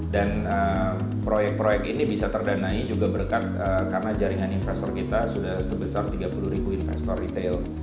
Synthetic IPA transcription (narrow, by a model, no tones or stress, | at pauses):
dan | ə | pɾojɛk̚pɾojɛk̚t̪inibisat̪ərdanaid͡ʒuɡabəɾkat̪̚əkaɾənad͡ʒaɾiŋaninfɛst̪ɔrkit̪asudahsəbəsart̪iɡapuluhɾibuinfɛ̰st̪ɔrit̪el